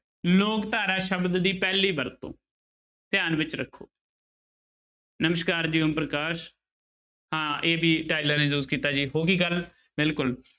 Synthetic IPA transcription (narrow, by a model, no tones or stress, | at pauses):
loːkt̪aːɾaːʃəbd̪d̪iːpɛːliːbəɾt̪õ̰ː | t̪ɪjaːnʋɪt͡ʃɾəkʰːo̰ː | nəməʃkaːɾd͡ʒiːəmpɾəkaːʃ | hãːeːbiːʈaːɪləɾnẽːd͡ʒuːzkiːt̪aːd͡ʒiːɦoːkiːɡəl | bɪlkʊl